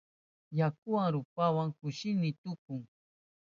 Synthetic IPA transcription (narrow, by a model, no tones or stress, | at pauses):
jakʊwaŋɾʊpawaŋkʊʃɪnɪt̪ʊkʊŋ